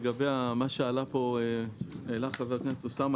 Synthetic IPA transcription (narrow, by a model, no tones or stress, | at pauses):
ɡabejamaʃealapo̞eelaχaveʁknetusam